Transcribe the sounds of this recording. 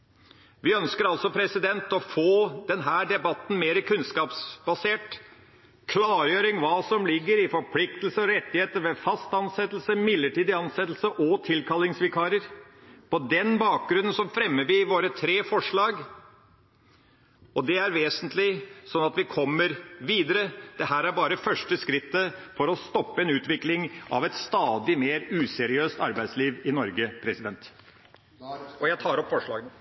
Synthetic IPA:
ʋɪœnskəɾɑlsɔpʰɾɛsɪd̪ɛnt̪ɔfoːd̪ɛnɦæːɖɛbɑt̪ːn̩meːɾəkʰʉnskɑːpsbɑseːʈ | kʰlɑːɾjøːɾɪŋʋɑːsɔmlɪɡːəɾɪfɔɾpʰlɪk̚t̪l̩səɔɾɛt̪ːɪheːt̪əɾʋɛfɑst̪ɑnsɛt̪ːlsəmɪd̪lːəʈiːd̪ɪɑnsɛt̪ːl̩səʔɔt̪ʰɪlkʰɑlɪŋsʋɪkʰɑːɾəɾpʰɔd̪ɛnbɑːk̚ɡɾʉnənsɔfɾɛmːəʋɪʋoːɾət̪ʰɾeːfɔʂɭɑːɡ | ɔd̪ɛæɾʋeːsənt̪ʰlɪsɔnːɑt̪ʋɪkʰɔmːəɾʋiːd̪əɾəd̪̥ɛɦæːɾæɾbɑːɾəfœʂʈəskɾɪt̪ːəfɔɾɔst̪ɔpːəɛnʉːt̪ʋɪklɪŋʔɑ̰ʋɛt̪st̪ɑːd̪ɪmeːɾʉːsɛɾɪøːst̪ɑɾbæɪd̪sliːʋɪnɔɾɡəpʰɾɛsɪd̪ɛnt̪ | ɔjæɪt̪ʰɑːɾɔpːfɔʂɭɑ̰ːɡən

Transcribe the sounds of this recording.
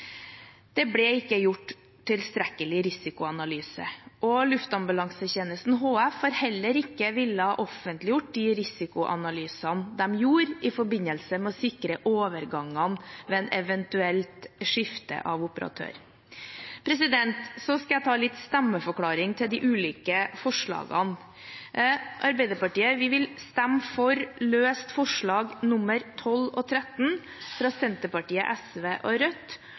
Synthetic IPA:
d̪̥ɛblɛɪkːəjʊʈː | t̪ʰːɪlst̪ɾɛkəlɪɾɪsɪkʊɑnɑlyːsə̰ʔɔlʉft̪ɑmbʉlɑŋsəçeːnəst̪n̩ɦoːɛfhɑːɾhɛlːəɾɪkːəʋɪlːəhɑʔɔfənt̪lɪjʊʈ̚ːd̪ɪɾɪsɪkʊʔɑ̰nɑlyːsɑnd̪ɛmjuːɾɪfɔɾbɪnəlsəmɛɔsɪkɾəʔoːʋəɾɡɑŋːɑnʋɛɛnɛʋɛnt̪ʉɛlt̪ʂɪft̪ə̰ʔɑʋʊpəɾɑ̰t̪ʰø̰ːɾ | pʰɾɛsɪd̪ɛnt̪sɔskɑjæt̪ʰɑːlɪt̪st̪æmːəfɔkʰlɑːɾɪŋt̪ʰɪld̪ɪʔʉːliːkəfɔʂɭɑ̰ːɡɑ̰n | ʔɑɾbæɪd̪əɾpɑʈiːəʋɪʋɪlst̪ɛmːfɔɾløːst̪fɔʂɭɑːɡnʊmːəɾt̪ʰɔlɔ̰t̪ʰɾɛt̪n | fɾɑsɛnt̪əpɑʈiːə̰ʔɛsʋeːʔɔɾœt̪ː

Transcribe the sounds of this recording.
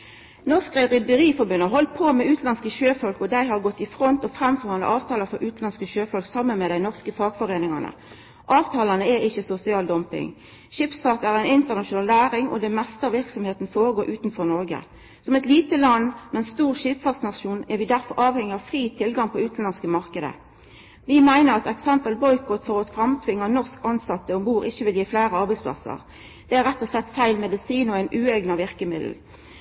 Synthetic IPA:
nɔʁskʁəʁʏd̪əʁiːfɔbʉnəɦɔlt̪̚pʰomɛʉːt̪lɑnskəʃøːfɔlkɔd̪æɪhɑʁɡɔt̪ːɪfʁɔnt̪ɔfʁɛmfɔʁhɑnɑ̰ʔɑːʋt̪ʰɑːləfɔɾʔʉːt̪nɑnskəʃøːfɔlksɑmːənmɛd̪æɪnɔʁskəfɑːɡfɔʁeːnɪŋɑnə̰ | ʔɑːʋt̪ʰɑːlɑnəɛɪçəsʊsɪɑːld̪ɔmpɪ̰ŋ | ʃipsfɑk̪æːʁæɪnɪnt̪əʁnɑʃʊnɑːlnæːʁɪŋɔ̰d̪ɛmɛst̪əɑʋɪʁksɔmheːt̪nfoːʁəɡoːɾʔʉːt̪n̩fɔʁnɔʁɡə̰ | sɔmɛt̪liːt̪əlɑnmɛnst̪uːʁʃiːpfɑsnɑʃuːnɛʁʋɪd̪æʁfɔɾɑːʋhɛŋːɪɑʋfʁiːt̪ʰɪlɡɑŋpʰɔʉːt̪n̩ɑnskəmɑʁkəd̪ə̰ | ʋɪmæɪnəʁɑt̪ɛksɛmpəlbɔʏkʰot̪fɔʁɑt̪fʁɑmt̪ʰʋɪŋːɑnɔʁskɑnsɑt̪ːəɔmbuːʁɪçəʋɪljiːflæːʁəɑʁbæɪsp̪ʰɑ̰sɑ̰ʁ | d̪̥ɛæʁɛt̪ːɔslɛt̪ːfæɪlmɛd̪ɪsiːnɔæɪnʔʉːɛɡnɑʋɪʁkəmɪd̪l̩

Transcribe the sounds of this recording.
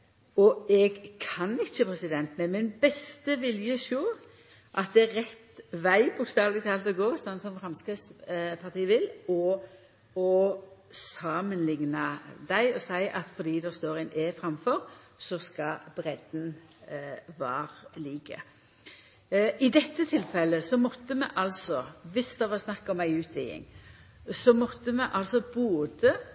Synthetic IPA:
ɔɛɡkʰɑnɪçːəpʰɾɛsɪd̪ɛnt̪mɛmɪnbɛst̪əʋɪljəʃoː | ʔɑt̪̚d̪ɛæʁɛt̪ʋæɪbʊkst̪ɑːʋlɪt̪ʰɑːlt̪ɔɡoːsɑnsɔmfɾɑmskɾɪt̪spʰɑt̪iːəʋɪlɔ | ɔsɑːmənlɪŋnəd̪æɪɔsæɪʔɑt̪fɔɾd̪iːd̪ɛst̪oːɾæɪnɛfɾɑmfɔɾ | sɔskɑbɾɛd̪̥n̩ | ʋæːɾliːkə̰ | ɪd̪ɛt̪ːət̪ʰɪlfɛlːəsɔmɔt̪ːəmɛ̰ʔɑlsɔʋɪsd̪ɛʋɑʁsnɑkːɑɔmæɪʉːt̪ʰʋɪɪ̰ŋ | sɔmɔt̪ːəmɛʔɑlsɔboːd̪ə

